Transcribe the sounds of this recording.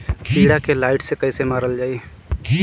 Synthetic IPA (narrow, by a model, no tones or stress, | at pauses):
piːɽakelaːɪʈsekɐisemaːɾəld͡ʒaːi